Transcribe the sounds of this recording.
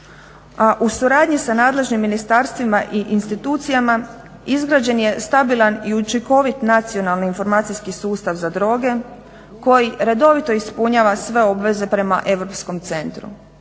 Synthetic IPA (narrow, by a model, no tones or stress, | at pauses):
aʔusuɾaːd̪ɲisanaːd̪le̞ʒnimːinist̪aːɾst̪ʋimaʔiʔinst̪it̪uːt̪sijama | izɡɾaːd͡ʑe̞nje̞st̪abilˠaniut͡ʃiko̞ʋit̪nat̪sio̞nalˠniːnfo̞ɾmaːt̪sijskisuːst̪aʋzad̪ɾo̞ːɡe̞ | ko̞jiɾe̞d̪o̞ʋit̪o̞ispuɲaːʋasʋe̞o̞bʋe̞ze̞pɾe̞ma̰ʔe̞ʋɾo̞psko̞mt̪se̞nt̪ɾṵ